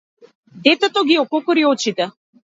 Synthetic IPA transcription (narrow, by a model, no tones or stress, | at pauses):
d̪ɛt̪ɛt̪ɔɡiɔkɔkɔɾiɔt͡ʃit̪ɛ